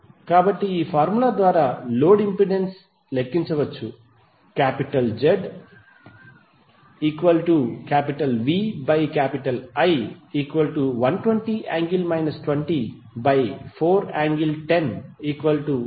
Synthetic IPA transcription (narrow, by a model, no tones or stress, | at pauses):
kaːbɐʈːiiːpʰaːɾmulaːd̪ʋaːɾaːloːɖimpɾiɖens | lekːiɲt͡ʃɐʋɐt͡ʃːu | kaːpiʈɐld͡ʒeɖ | iːkʋɐlʈukaːpiʈɐlʋiːbɐjkaːpiʈɐlɐjiːkʋɐlʈuʋɐnʈʋeɳʈiːʔaːŋɡilmɐjnɐsʈʋeɳʈi | bɐjpʰoːɾaːŋɡilʈeniːkʋɐlʈu